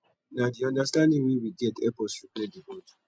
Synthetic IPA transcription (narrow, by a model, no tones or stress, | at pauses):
nadiɔ̃ndastãndĩŋwiwiɡɛtɛpɔsupɾɛdibod